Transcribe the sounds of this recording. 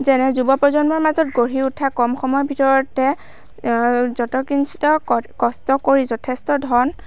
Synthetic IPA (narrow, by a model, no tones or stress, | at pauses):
zɛnɛzubɔpɹɔzɔnbɔɹmazɔtɡoɹiutʰːakɔmxɔmɔjbʱitɔɹɔtɛ | zɔtɔkinsʰi̥tɔkɔstɔkoɹizɔtʰestɔdʱɔn